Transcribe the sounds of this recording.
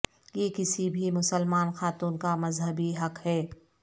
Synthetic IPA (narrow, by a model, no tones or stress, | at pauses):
jeːkɪsibʱimʊsəlmaːnxaːt̪uːnkamɐzɦəbiɦɐqhɛː